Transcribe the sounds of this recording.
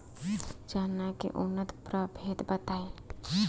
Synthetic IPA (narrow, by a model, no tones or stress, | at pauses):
d͡ʒaːnːakḛʔʊnːət̪pɾəbʱeːd̪bət̪aːe